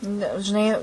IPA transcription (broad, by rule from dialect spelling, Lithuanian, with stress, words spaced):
ˈnʲɛ ʒʲɪˈnɐɪ